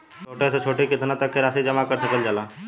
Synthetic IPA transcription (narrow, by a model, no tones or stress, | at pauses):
t͡ʃʰoʈɛsẽt͡ʃʰoʈikɪt̪ʰnat̪əkːeɾasid͡ʒəmakəɾsəkəld͡ʒala